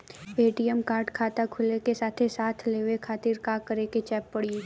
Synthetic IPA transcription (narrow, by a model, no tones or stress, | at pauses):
eːʈijəmkaːɾʈkʰaːt̪akʰʊlekesaːt̪ʰesaːt̪ʰleːʋekʰaːt̪ɪɾkaːkəɾeket͡ʃɛːpːɐɽi